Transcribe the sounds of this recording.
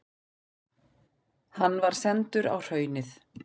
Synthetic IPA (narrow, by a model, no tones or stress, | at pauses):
hanːvaɾ̥sɛnt̪ʏɾa̰wr̥œːɥnɪθ